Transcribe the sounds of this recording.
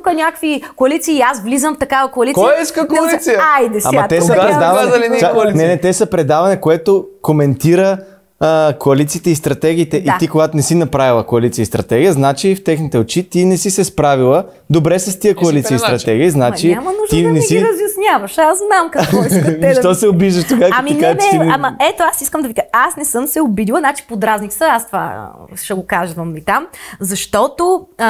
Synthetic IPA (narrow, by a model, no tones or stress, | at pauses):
ukənʲakvikoɐlit̪siːazvlizəmft̪ɐkavɐkoɐlikojɛiskəkoɐlit̪sijəajd̪ɛa̰mɐt̪ɛsɐpɾɛd̪avɐnɛanɛnɛt̪ɛsɐpɾɛd̪avɐnɛkoɛt̪okomɛnt̪iɾə | koɐlit̪siːt̪ɛist̪ɾɐt̪ɛɡʲiːt̪ɛʔit̪ikoɡat̪onɛsinɐpɾavilˠəkoɐlit̪siəist̪ɾɐt̪ɛɡijəznat͡ʃift̪ɛxnit̪ɛot͡ʃit̪inɛsisɛspɾavilˠə | d̪obɾɛsɐst̪ijəkoɐlit̪siəist̪ɾɐt̪ɛɡ̟iəznat͡ʃiamɐnuʒd̪inɛiɾɐzjɐsnʲavɐʃazznamkɐkɔinʃt̪ɔsɛobiʒd̪əʃt̪oɡakamiɛnaɛiamɐɛt̪oasiskəmd̪ɐvikaasnɛsɤmsɛobid̪ilˠɐnat͡ʃi̥pod̪ɾaznik̪səast̪va̰ʃɛɡokazvɐmit̪amzɐʃt̪ɔt̪o